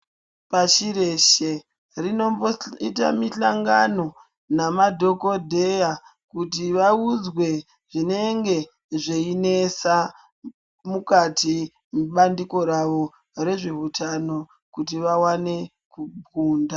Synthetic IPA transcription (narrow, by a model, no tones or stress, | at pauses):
paʃiɾe̞ʃe | rino̞moita̰miɬaŋɡano̞ | namadʱo̞ko̞dʱe̞ja | kutiʋaud͡zwe̞ | ʐine̞ŋɡe̞ | ʐeine̞sa | mukati | muɓandiko̞ɾaʋo̞ | ɾe̞ʐeutʰano̞ | kutiʋawane̞ | kubʱuːnda